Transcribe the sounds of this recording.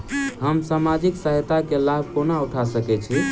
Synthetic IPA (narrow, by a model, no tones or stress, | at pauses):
ɦəmsamad͡ʒiksəɦt̪akelab̚ʱkonauʈʰasəkɛt͡ʃʰi